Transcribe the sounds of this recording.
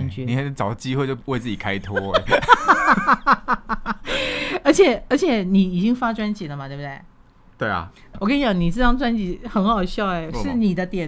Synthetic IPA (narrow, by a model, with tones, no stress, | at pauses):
nt͡ɕni˨ka˧˥˩t͡sɑ˨˩ʊ˧t͡ɕi˥xwe˥˧t͡ɕo˥˧ʊwe˥˧ɪt͡sɹ̩ɨ˥˩t͡ɕi˨˩kʰa˦˥ɪt̪ʰɔ˦˥e˨˦ | ə˧˥t͡ɕʰjɛ˨˩ə˧˥t͡ɕʰjɛ˨˩ni˨˩i˨˩t͡ɕi˥ŋfa˥ʈ͡ʂwa˥nt͡ɕi˨˩lə˩ma˨t̪we˥˩b̪e˥˩ɪ | t̪we˥˩ɪɐ̰˨˩wɔ˨˩ka˥ni˥jɑ˨˩ni˨˩t͡s̩˥˧˩ɑ˥ŋʈ͡ʂwa˥nt͡ɕi˨˥xə˧˥nxɑ˨˩ʊɕjɑ˥˩ʊe˨˩ʂɻ̩˥˩˨ni˨˩d̪ə˦t̪jɛ˨˩